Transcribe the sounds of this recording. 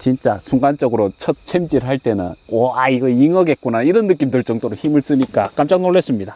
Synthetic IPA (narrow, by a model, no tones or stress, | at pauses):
t͡ɕint͡ɕ͈asuŋɡant͡ɕ͈ʌɡɯɾot͡ɕʰʌt̚t͡ɕʰemd͡ʑiɾɯɭɦaɭt͈e̞nɯ̰nwʌaiɡʌiŋʌɡe̞t̚k͈unaiɾʌnːɯk͈imdɯɭt͡ɕ͈ʌŋdoɾoçimɯɭs͈ɯɲik͈ak͈amt͡ɕ͈aŋnoɭːes͈ɯmɲida